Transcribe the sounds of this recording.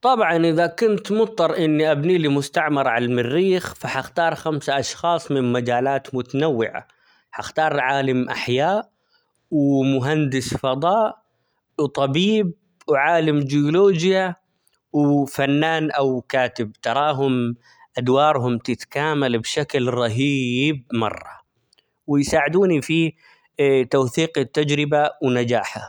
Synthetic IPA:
t̪ˤɑbʕɑnʔɪðakʊnt̪mʊt̪ˤːɑɾˤʔɪnːiʔabniːlimʊst̪aʕmɑɾˤʕalalmɪrːiːxfaħaxt̪ɑːɾˤxamsaʔɑʃxɑːsˤmɪnmad͡ʒaːlaːt̪mʊt̪anawːɪʕa̰ | ħaxt̪ɑːɾˤʕaːlamʔa̰ħjaːʔ | wmʊɦand̪ɪsfɑd̪ˤɑːʔ | wt̪ˤɑbiːb̚ | wʕaːlamd͡ʒɪʊloːd͡ʒja | wɪfanːaːnʔawkaːt̪ɪb̚t̪ɑɾˤɑːɦʊm | ʔad̪wɑːɾˤɦʊmt̪ɪt̪kaːmalbʃaklɾˤɑɦiːb̚mɑ̰rˤːɑ̰ | wɪjsaːʕɪd̪uːnifi | t̪awθiːqɪt̪ːad͡ʒɾɪbawnad͡ʒaːħa̰

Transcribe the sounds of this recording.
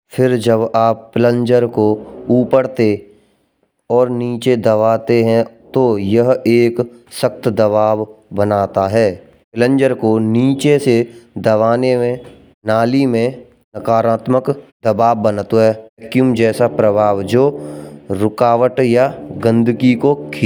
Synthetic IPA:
fʰɪɾd͡ʒəbaːpːɪlə̃ɲd͡ʒəɾkouːpəɽt̪e | ɔːɾniːt͡ʃed̪əʋaːt̪eɦɛ̃t̪ojɐɦeːk | səkt̪d̪ɐbaːʋbənaːt̪aɦɛː | pɪlə̃ɲd͡ʒəɾkoniːt͡ʃesed̪əʋaːnemẽ | naːlimẽ | nəkaːɾaːt̪məkd̪əbaːʋbənt̪oɦɛːkjumd͡ʒɛːsapɾəbʱaːʋd͡ʒoːɾʊkaːʋəʈjaɡə̃nd̪kikokʰː

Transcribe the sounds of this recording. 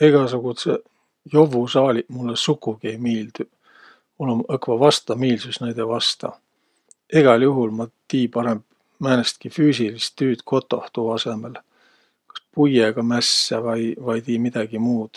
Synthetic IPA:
eɡ̥ɑsuɡ̥ut̪se | jo̞vusɑːlʲiʔmulːesukːˑuɡ̥iejmiːld̪̥y | olumɤkvɑvɑst̪ɑmiːlsusnæjd̪̥evɑst̪ɑ̰ | eɡ̥ɑljuɦulmɑt̪iːpɑɾemb̥ | mæːnest̪̚kifyːsilist̪ːyːt̪kʰo̞t̪ːˑoht̪uɑse̞mel | kɑ̥spujeɡ̥ɑmæsːɑvɑjvɑjt̪iːmid̪̥ɑɡ̥imuːd̪̥

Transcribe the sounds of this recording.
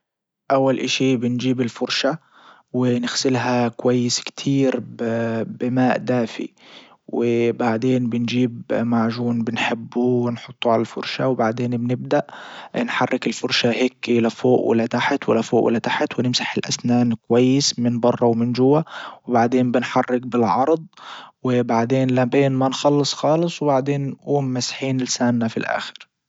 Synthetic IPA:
ʔawːalʔaʃiːbɪnd͡ʒiːbɪlfʊɾʃa | wɪnɪɣsɪlɦakwajːɪskt̪ʰiːɾbbɪmaːʔd̪aːfḭ | wɪbaʕd̪eːnbɪnd͡ʒiːbmaʕʒuːnbɪnħɪbːuwɪnħʊt̪ˤːuʕalalfʊ̰ɾˤʃawbaʕd̪eːnbnɪb̚d̪aʔnħɑrˤːɪkɪlfʊɾʃahekːlafoːʔwɪ̰lːat̪aħt̪wɪ̰lːafoːʔwɪ̰lːat̪aħt̪wɪnɪmsḁħɪlʔa̰snaːnkwajːɪsmɪnbɑrˤːɑwmɪnd͡ʒʊwːawɪbaʕd̪eːmbɪnħɑrːɪk̚bɪlʕɑɾˤd̪ˤwɪbaʕd̪eːnlabeːnmanxɑlːɨsˤxɑːlɨsˤwbaʕd̪eːnːʔuːmːasħiːnɪlsaːnːafilʔa̰ːxɪ̥ɾ

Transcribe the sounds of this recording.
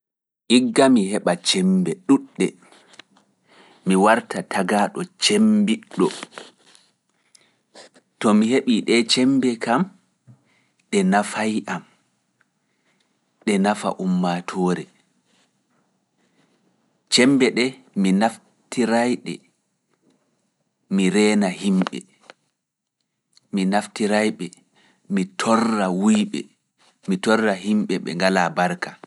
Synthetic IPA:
ʔiɡːamihɛɓat͡ʃɛmbɛɗuɗːɛ | miwaɾtatʰaɡaːɗɔt͡ʃembiɗːɔ | tɔmiheɓiɗɛt͡ʃɛmbɛkam | ɗɛnafajʔam | ɗɛnafa̰ʔumːatʰɔːɾɛ | t͡ʃɛmbɛɗɛ | minaf | tiɾajɗɛ̰ | miɾɛːnahimɓɛ̰ | minaftiɾajɓɛ | mitʰɔrːawujɓɛ̰ | mitɔrːaɦimɓɛɓɛ̰ŋɡalabaɾkḁ

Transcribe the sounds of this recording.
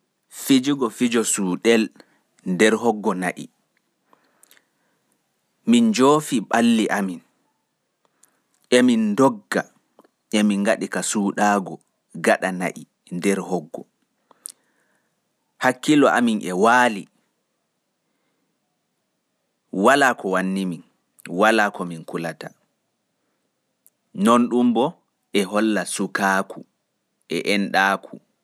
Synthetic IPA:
fid͡ʒiɡɔfid͡ʒɔsuːɗɛl | ndɛɾhɔɡːɔnaʔḭ | mind͡ʒoːfiɓalːiʔamin | ʔɛmindɔɡːa | ʔɛmiŋɡaɗikasuːɗaːɡɔ | ɡaɗana̰ʔi | ndɛɾhɔɡːɔ | hakːilɔʔaminɛwaːli | walaːkɔwanːimin | walaːkɔminkulata | nonɗumbɔ | ʔɛɦɔlːasukaːku | ʔɛʔɛnɗaːkʰu

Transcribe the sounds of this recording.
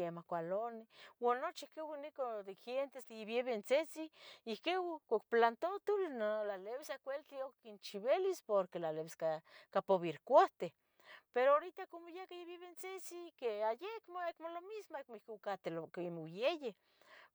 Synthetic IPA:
emahkʷalonewanːot͡ʃihkewanikod̪exent̪esd̪ejeβjeβent͡set͡siːhkewkakplant̪ot̪ulnolaleβesakʷelt̪iokkint͡ʃiβelispoɾkelaleβeskakapoβiɾkʷaht̪e | peɾooɾit̪akomojakajeβeβent͡set͡sikeajekmoekmolomismoekmoihkkat̪eloimowjeje

